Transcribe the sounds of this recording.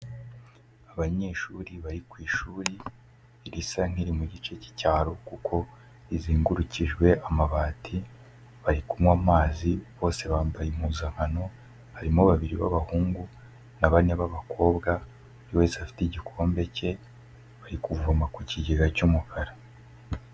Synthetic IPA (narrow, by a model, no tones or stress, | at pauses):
aβaɲe̞ːʃuɾiβaɾikwiːʃuːɾiː | ɾisaŋ̥iɾimuɟit͡ʃe̞ci̥caːɾokukʰo̞ | iziːŋɡuɾuciʒɡwe̞ʔamaβaːtʰi | βaɾikumwaːmaːziβo̞ːse̞βaːmbajemuːzaŋ̥hano̞ | haɾimoβaβiɾiβa̰βahuːŋɡu | naβaneβaβakʰo̞ːbɡa | uɾiweːzafi̥tiɟikʰoːmbe̞ce̞ | βaɾikuvuamakwiciɟeɡacumukʰaɾa